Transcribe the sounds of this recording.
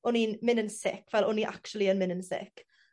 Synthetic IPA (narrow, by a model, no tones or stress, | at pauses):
ʊninmɪnənsɪ̰kʰv̥ɛlˠʊniʔa̰kt͡ʃulˠiənmɪnənsɪ̰k